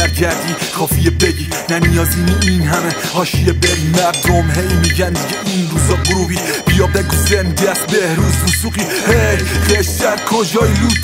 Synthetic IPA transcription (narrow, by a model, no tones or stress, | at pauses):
æɾɟʰæɾd̪iːkʰɒːfijebedi | nænijɒːzimuinɦæme | hɒːʃijebeɾimæɾd̪omɦejmiɟænd̪iɟeʔinɾuːzɒːɡoɾubiː | b̥ijɒbd̪æɡuzend̪æsbehɾuːzusuːqi | hebeʃd̪æɾkʰod͡ʒɒːiɾuz